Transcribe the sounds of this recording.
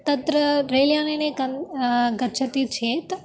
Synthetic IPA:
t̪ɐt̪ɾəɾelijaːneneɡəɡət͡ʃʰət̪it͡ʃʰet̪

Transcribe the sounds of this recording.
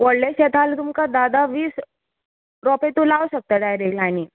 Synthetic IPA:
ʋəɽleɕet̪ʰalt̪umkad̪ad̪aʋiːs | ɾɔpet̪ulawɕək̚t̪əʈajɾeɡlañiː

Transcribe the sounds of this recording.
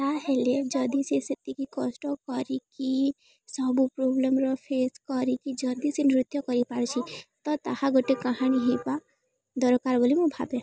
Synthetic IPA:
t̪aɦeled͡ʒʌd̪isesit̪ikikɔsʈɔkɔɾiki | sɔbupɾoblemɾɔpʰeskɔɾikid͡ʒʌd̪isenɾɪt̪jɔkɔɾipaɾt͡ʃʰit̪ɔt̪ahaɡoʈekaɦañiɦepa | d̪ɔɾɔkaɾbəlimõbʱabe

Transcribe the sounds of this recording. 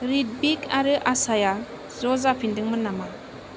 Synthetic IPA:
ɾit̚bikaɾɯʔasaja | zɔzapʰindɯŋmɯnama

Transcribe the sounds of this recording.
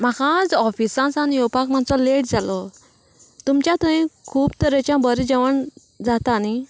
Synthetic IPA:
m̤akãd͡zɔfisãsanijɔpakmãnt͡sɔleʈd͡zalɔ | t̪umt͡ɕjãt̪ə̃ĩkʰuːbt̪əɾət͡ɕjãbəɾid͡ʑəʋəɳ | d͡zat̪ani

